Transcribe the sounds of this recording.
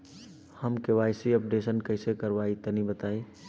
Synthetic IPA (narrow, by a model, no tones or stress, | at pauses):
həmkeʋaːɪsiəp̚ɖeːsənkəɪsekəɾʋaːit̪ənibət̪aːi